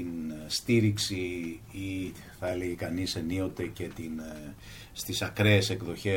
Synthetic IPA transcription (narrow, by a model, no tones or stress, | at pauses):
inst̪iɾiksii | θɐe̞le̞ʝekɐnisenio̞t̪e̞ce̞t̪in | st̪isɐkɾe̞ːse̞kðo̞çe̞